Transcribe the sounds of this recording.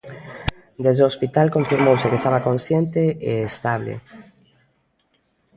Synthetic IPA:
d̪ezðeospit̪alkõɱfiɾmowsekest̪aβakõnsjent̪eeːst̪aβlḛ

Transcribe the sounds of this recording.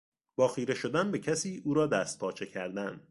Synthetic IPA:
b̥ɒːxiːɾe̞ʃo̞d̪ænbecʰæsiːuːɾɒːd̪æːst̪̚pʰɒːt͡ʃʰecʰæɾd̪ænd̪̥

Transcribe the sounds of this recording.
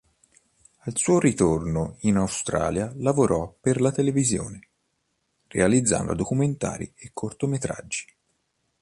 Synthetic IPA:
alsuːoɾit̪ornoinawst̪ɾa̰ːljalavoɾɔpːerlat̪elevizjo̰ːne | rḛalid̪zːa̰nd̪a̰d̪okument̪a̰ːɾḭekʰːort̪omet̪ɾa̰d͡ʒːi̥

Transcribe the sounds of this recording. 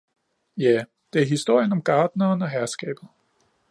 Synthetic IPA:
jæ | d̥e̝æɐɦisd̥o̝ɐ̰jənɒ̽mɡ̥ɑ̈ːd̥nɐːnɒ̽ɦæɐsɡ̥ɛ̰ːb̥ð̩ˠ

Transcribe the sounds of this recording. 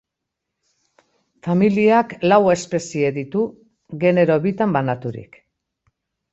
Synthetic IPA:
familiaklawe̞spe̞sie̞ðit̪u | ɣe̞ne̞ɾo̞βit̪ambanat̪uɾḭk

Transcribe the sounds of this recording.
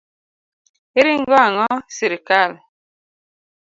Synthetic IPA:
eɾiŋɡɔaŋɔsiɾikal

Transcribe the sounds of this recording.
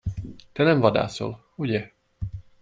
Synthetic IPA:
t̪ɛnɛɱvɒd̪a̰ːso̞̰l | uɟɛ

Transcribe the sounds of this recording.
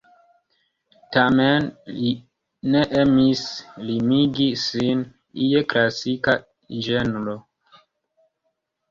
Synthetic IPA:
tamenli | ne̞ʔemislimiɡisin | ijeklasika | d͡ʒenlo

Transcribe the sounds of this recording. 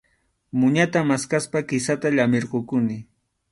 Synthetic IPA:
mʊɲat̪amaskaspakɪsat̪aʎamɪɾɢokʊnɪ

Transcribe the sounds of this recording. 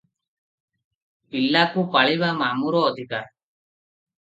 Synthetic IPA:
pilːakupaɭiʋamaːmuɾoːd̪ʱikaːɾ

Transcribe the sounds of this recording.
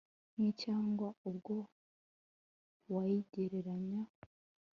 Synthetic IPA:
nicaːŋɡwaubɡo | wajiɟeɾeɾaɲa

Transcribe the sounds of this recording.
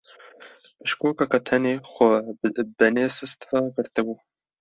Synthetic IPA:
pɨʃkoːkɑkɑt̪ʰɛneːxʷɔbɛneːsɨst̪ɾɑɡɨɾt̪ɨbuː

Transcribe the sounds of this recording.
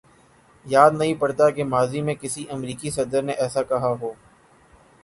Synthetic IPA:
jaːd̪nɐɦĩpɐɽt̪akemaːzimẽkɪsiʔɐmɾiːkisɐd̪əɾneʔɛːsakɐɦaɦoː

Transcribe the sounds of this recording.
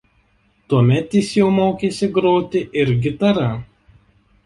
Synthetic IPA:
t̪uɔmʲɛt̪jɪsjɛʊmoːkʲeːsʲɪɡɾoːt̪ʲɪʔɪɾɡʲɪt̪ɐɾɐ

